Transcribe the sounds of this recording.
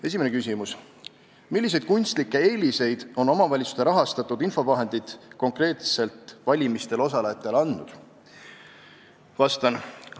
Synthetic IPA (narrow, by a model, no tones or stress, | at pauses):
e̞s̬ʲimenekysʲimus | milːis̬e̞jd̪̥kunʲst̪likːe̞eːlise̞jd̪̥o̞no̞mɑvɑlʲit̪su̥st̪eɾɑɦɑst̪ɑt̪ːˑud̪info̞vɑɦe̞nd̪̥it̪ko̞ŋkre̞ːt̪se̞lt̪ˑvɑlʲimist̪e̞lo̞sɑlejɑt̪ːˑe̞lɑnːud̪̥ | vɑst̪ɑn